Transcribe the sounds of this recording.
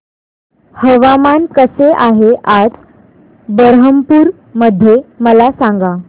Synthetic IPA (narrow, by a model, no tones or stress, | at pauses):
həʋamankəseʔaɦeʔad͡z | bəɾɦəmpuːɾ | məd̪ʱːjeməlasaŋɡa